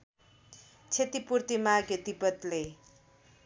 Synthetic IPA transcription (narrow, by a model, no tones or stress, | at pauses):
t͡sʰet̪ipurt̪imaɡet̪ipʌt̪le